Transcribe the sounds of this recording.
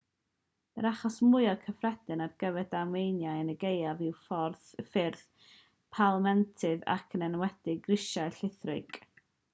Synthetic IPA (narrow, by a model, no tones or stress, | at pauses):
məɾaχɔsmʊɨɔkʰəfrɛd̥ɨnarɡ̥əvɛdamejnjajənəɡejavɪwfɔrθfɪrθ | pʰalˠmɛntʰɨða̰kʰənɛnwɛd̥ɪɡrɪʃajɬɪθrɨ̰ɡ̥